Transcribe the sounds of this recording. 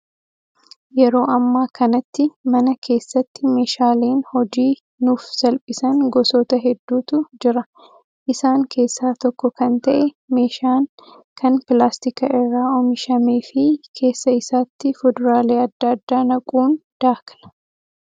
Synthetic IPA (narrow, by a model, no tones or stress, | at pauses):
jɛɾo̞ːʔɐmːaːkʰɐnɐt̪ːɪmɐnɐkʰe̞ːsːɐt̪ːɪme̞ːʃaːleːnhɔd͡ʒiː | nuːfsɐlpʼɪsɐŋɡɔsɔːt̪ɐɦɛd̪ːuːt̪ʊd͡ʒɪɾɐ | ʔɪsaːŋkʰe̞ːsːaːt̪ɔkːɔkɐnt̪ɐʔɛ | me̞ːʃaːŋ | kʰɐnpɪlaːst̪ɪkɐɪrːaːɔmɪʃɐmeːfɪkʰe̞ːsːɐɪsaːt̪ːɪfɔd̪ɐɾaːleːɐd̪ːaɐd̪ːaːnɐkʼuːnd̪̥aːklɐ̥